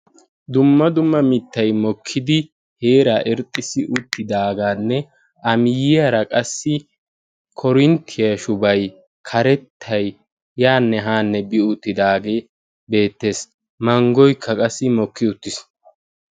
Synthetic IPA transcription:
d̪ʊmːɐd̪ʊmːɐmɪt̪ːɐjmɔkʰːɪd̪ɪ | he̞ːɾaːʔɪɾt̪ʼːɪsɪʔʊt̪ːɪd̪aːɡaːnːɛ | ɐmɪjɪjɐɾɐkʼɐsːɪ | kʰɔɾɪnt̪ʰɪjɐʃʊbɐj | kʰɐɾɛt̪ʰːɐj | jaːnːɛɦaːnːɛbɪʊt̪ːɪd̪aːɡe̞ː | be̞ːt̪ːe̞ːs | mɐŋɡɔjkʰːɐkʼɐsːɪmɔkːɪʊt̪ːɪs

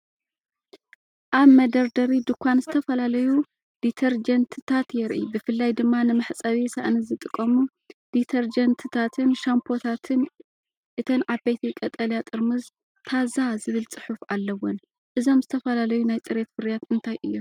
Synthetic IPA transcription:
ʔaβmɐd̪ɐɾd̪ɐɾid̪ukʷʰːanzɨt̪ʰɐfɐlalɐju | d̪̥it̪ʰɐɾd͡ʒɐnt̪ʰɨt̪ʰat̪jɛɾʔibɨfɨlːajd̪ɨmːanɨmɐħt͡sʼɐβisa̰ʔnɨzɨt̪ʼɨkʼːɐmu | d̪̥it̪ʰɐɾd͡ʒɐnt̪ʰɨt̪ʰat̪ʰɨnʃampʰo̞t̪ʰat̪ʰɨn | ʔɨt̪ʰɐnʕabejt̪ʰikʼɐt̪ʼɐljat̪ʼɨɾmɨz | t̪ʰazazɨβɨlt͡sʼɨħufalːɐwon | ʔɨzo̞mzɨt̪ʰɐfɐlalɐjunajt͡sʼɨɾe̞t̪fɨɾjat̪ɨnt̪ʰajʔɨjːom

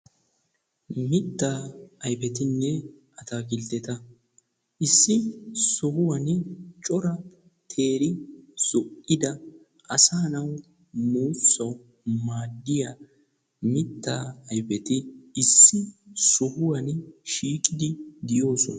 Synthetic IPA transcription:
mɪt̪ːaːɐjpɛt̪ɪnːɛ | ʔɐt̪aɡɪlt̪ɛt̪ɐ | ʔɪsːɪsɔhʊwɐnt͡ʃʼɔɾɐ | t̪ʰe̞ːɾɪz̥ɔʔɪd̪ɐ | ʔɐsaːnɐw | muːsːɐw | maːd̪ːɪjɐ | mɪt̪ːaːɐjpɛt̪ɪɪsːɪsɔhʊwɐnʃiːkʼɪd̪ɪd̪ɪjo̞ːsɔnɐ

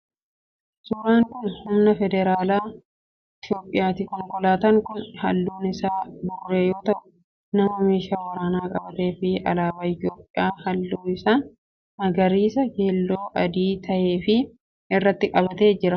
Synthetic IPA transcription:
suːɾaːŋkʊnhʊmnɐfɛd̪ɛɾaːlaː | ɪt̪jo̞ːpʼːɪjaːt̪ɪkɔŋkɔlaːt̪ɐŋkʊnhɐlːuːnɪsaːb̪ʊrːe̞ːjo̞ːt̪ɐʔʊ | nɐmɐmeːʃaːwɐɾaːnaːkʼɐbɐt̪e̞ːfɪɐ̰laːbaːɪt̪jo̞ːpʼːɪjaːhɐlːuːɪsaːn | hɐɡɐɾiːsɐke̞ːlːo̞ːʔɐd̪iːt̪ɐʔe̞ːfɪ | ɪrːɐt̪ːɪkʼɐbɐt̪e̞ːd͡ʒɪɾɐ

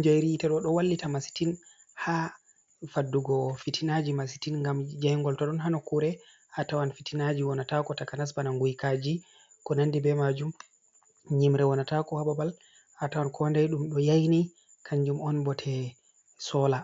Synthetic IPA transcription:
ɲd͡ʒajɾitaɗɔɗɔwalːitamasi̥tin | ha | fadːuɡɔfitinad͡ʒimas̬i̥tinŋɡamd͡ʒajŋɡɔltɔɗɔnɦanɔkuɾɛ | hatawanfitinad͡ʒiwɔnatakɔtakanas̬banaŋɡujkad͡ʒi | kɔnandibɛmad͡ʒum | ɲimɾɛwɔnatakɔhababal | hatawankʰɔndajɗumɗɔjajni | kʰaɲd͡ʒumɔnbɔtʰɛ | sɔla

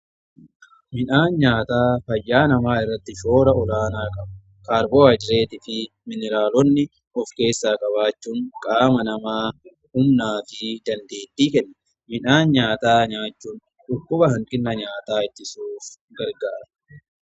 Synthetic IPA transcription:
mɪnaːnɲaːt̪aːfɐjːaːnɐmaːɪrːɐt̪ːɪʃo̞ːɾɐɔlaːnaːkʼɐbɐ̥ | kaːɾboːɐd͡ʒɪɾe̞ːt̪ɪfɪ | mɪnɪɾaːlɔnːɪ | ɔfke̞ːsːaːkʼɐβaːt͡ʃːuːŋkʼaːmɐnɐmaː | hʊmnaːfɪd̪ɐnd̪e̞ːt̪ːiːkɛnːɐ̥ | mɪnaːnɲaːt̪aːɲaːt͡ʃːuːn | ᶑʊkːʊbɐhɐŋkʼɪnːɐɲaːt̪aːɪt̪ːɪsuːf | ɡɐɾɡaːɾɐ

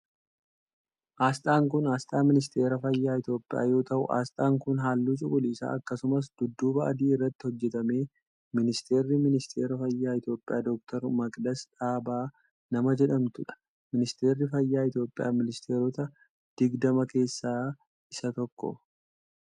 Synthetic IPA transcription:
ʔaːst̪ʼaːŋkʊnaːst̪ʼaːmɪnɪs̬t̪ʰe̞ːɾɐfɐjːaːɪt̪jo̞ːpʼːɪja̰ːjo̞ːt̪ɐʔʊ̰ʔa̰ːst̪ʼaːŋkʊnɦaːlːuːt͡ʃʼʊkʼʊliːsa̰ːɐkːɐsʊmɐs̬d̪̥ʊd̪ːuːbɐʔɐ̰d̪iːɪrːɐt̪ːɪhɔd͡ʒːɛt̪ɐme̞ː | mɪnɪst̪e̞ːɾːɪmɪnɪst̪ʰe̞ːɾɐfɐjːaːɪt̪jo̞ːpʼːɪja̰ːd̪ɔk̚t̪ʰɐɾmɐkʼd̪ɐsᶑaːbaː | nɐmɐd͡ʒɛᶑɐmt̪ʊᶑɐ̥ | mɪnɪst̪e̞ːɾːɪfɐjːaːɪt̪jo̞ːpʼːɪja̰ːmɪnɪst̪ʰe̞ːɾɔt̪ɐ | d̪̥ɪɡd̪ɐmɐke̞ːsːaː | ʔɪsɐt̪ɔkːɔ̰

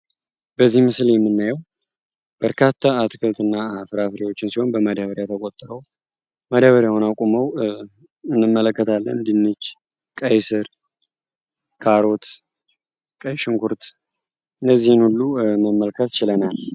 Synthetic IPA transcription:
bəzːihmɨsljɛmːɨnːajɛw | b̥əɾkʰat̪ʰːaːt̪ʰɨkʰɨlt̪ʰɨnːafɨɾafɾiwo̞t͡ʃːɪnsiho̞nbəmad̪aβəɾjat̪ʰəkʼot̪ʼːɾəw | mad̪aβəɾjawunakʷʼuməw | ɨnːɨmːələkːət̪ʰalːənd̪inːɨt͡ʃː | kʼəjsɨɾ | kʰaɾo̞t̪ | kʼəjʃɨŋkʰuɾt̪ | ɨndəzːihɨnhulːuməmːəlkʰət̪t͡ʃɪlənal

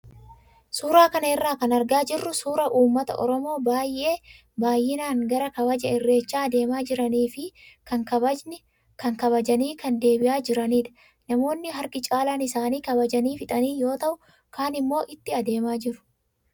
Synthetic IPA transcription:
suːɾaːkɐnɐɪrːaːkɐnɐɾɡaːd͡ʒɪrːʊsuːɾɐʔuːmːɐt̪ɐ̰ʔɔ̰ɾɔmo̞ːbaːjʔe̞ː | baːjːɪnaːŋɡɐɾɐkɐbɐd͡ʒɐɪrːe̞ːt͡ʃːaːɐd̪e̞ːmaːd͡ʒɪɾɐniːfɪkɐŋkɐ | kɐŋkɐβɐd͡ʒɐniːkɐnd̪e̞ːbɪʔaːd͡ʒɪɾɐniːᶑ̪ɐ̥ | nɐmo̞ːnːɪɦɐɾkɪt͡ʃʼaːlaːnɪsaːniːkɐbɐd͡ʒɐniːfɪt̪ʼɐniːjo̞ːt̪ɐʔʊ | kaːnɪmːo̞ːʔɪt̪ːɪɐd̪e̞ːmaːd͡ʒɪɾʊ̥

